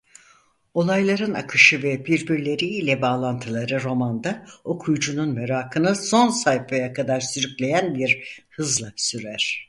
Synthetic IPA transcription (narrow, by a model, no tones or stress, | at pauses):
o̞lˠajlˠaɾɯna̰kʰɯʃɯvɛbiɾbiɾlʲe̞ɾiːlʲɛbaːlˠant̪ʰɯlˠaɾɯɾo̞mand̪ao̞kʰujd͡ʒununmeɾaːkʰɯnɯso̞nsajfajakʰad̪aɾsyɾykʲlʲe̞jænbiɾhɯzlˠasyɾæɾ̥